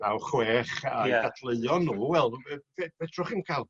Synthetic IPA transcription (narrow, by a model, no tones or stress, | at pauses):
nawχwɛːχadadʰlˠəɨɔnːuːwɛlˠvɛvɛdrʊχinkʰalˠ